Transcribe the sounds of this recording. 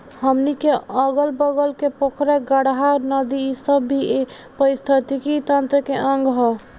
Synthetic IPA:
həmnikeəɡəlbəɡəlkepokɾɛɡəɽɦaɾnəd̪iːsəbːʱie | pəɾist̪ʰət̪ikit̪ənt̪ɾəkeʔəŋɡɦɔ

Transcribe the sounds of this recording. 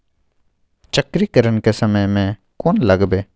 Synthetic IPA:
t͡ʃəkɾikəɾənkesəməjmẽ | koːnləɡbeː

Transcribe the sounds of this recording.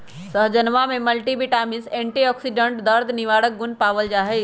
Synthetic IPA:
səɦd͡ʒənʋamẽmɐlʈibiʈaːmɪsẽːɳʈiɔːksiɖə̃ɳʈd̪əɾd̪ʱniʋaːɽək̚ɡʊnpaːʋəld͡ʒaːɦe

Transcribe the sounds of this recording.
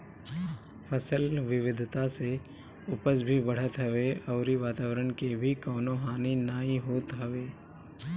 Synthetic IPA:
pʰəsəlʋɪʋɪd̪ʱt̪ase | ʊpəsbʱibɐɽ̤ət̪ɦəʋeɔːɾiʋaːt̪aːʋəɾəɳkebʱikɔːnoɦaːninaːĩɦoːt̪ɦɐʋeː

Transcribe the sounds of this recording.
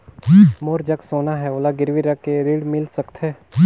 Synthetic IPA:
moːɾd͡ʒɐksoːnaɦɛoːlaɡɪɾʋiɾəkːeɾiːɽmɪlsəkt̪ɦɛː

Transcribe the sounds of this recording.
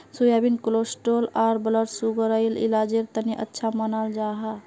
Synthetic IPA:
sujabinklosʈolaɾbələɾsuɡəɾəjlḭlad͡ʒeɾt̪əniʔə̰tːʃʰamənald͡ʒaɦa

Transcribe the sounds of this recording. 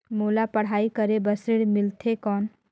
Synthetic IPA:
moːlapəɽ̤aːikəɾebəsɪɽmɪlt̪ʰekɔːn

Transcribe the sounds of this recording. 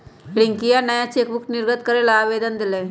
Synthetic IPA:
pɽiŋkijanəjat͡ɕekbukniɾɡət̪kəɾelaːʋed̪ənd̪ile

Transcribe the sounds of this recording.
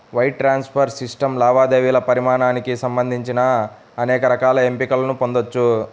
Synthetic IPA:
ʋɐjʈ̚ʈɾaːnspʰɐɾsisʈɐmlaːʋaːd̪eːʋilɐpɐɾimaːɳaːnikisɐmbɐnd̪ʱiɲt͡ʃinɐː | nɛːkɐɾɐkaːlɐe̞mpikɐlɐnupo̞nd̪ot͡ʃːu

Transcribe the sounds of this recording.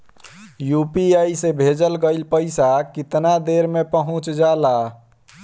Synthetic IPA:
jupiajsẽbʱed͡ʒəlɡəɪlpəɪsakit̪nad̪eɾmepəɦũt͡ʃd͡ʒala

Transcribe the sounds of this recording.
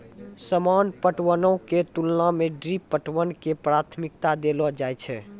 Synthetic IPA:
səmanpəʈwənəwket̪ulnameɖɾipːəʈwənkepɾat̪ʰmik̚t̪ad̪elɔd͡ʒajt͡ʃʰɛ

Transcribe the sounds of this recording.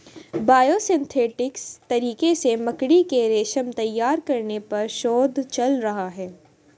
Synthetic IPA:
baːjosɪ̃nt̪ʰeːʈɪkst̪ɐɾiːkesemɐkɽikeɾeːʃəmt̪ɐjːaːɾkɐɾnepɐɾʃoːd̪t͡ʃɐlɾɐɦaɦɛː

